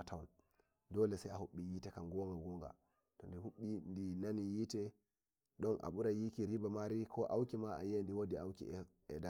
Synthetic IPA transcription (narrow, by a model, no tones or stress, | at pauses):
tʰawan | dɔlɛsajahuɓːijitɛkaŋɡɔŋɡaɡɔŋɡa̰ | tɔndihuɓːindinanijitɛ | ɗɔnʔa̰ɓuɾajikiɾibamaɾikʰɔʔawkimaa̰jendiwodiawkḭ | ɛda